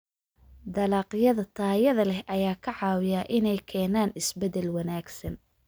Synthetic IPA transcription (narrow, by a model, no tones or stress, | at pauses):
d̪ɐlɑːqɪjɐðɐt̪ʰaːjɐðɐlɛhʔɐjaːkʰɐʕɑːwɪjaːʔɪnɛjkʰɛːnaːnɪsbɛd̪ɛlwɐnaːɡsɐn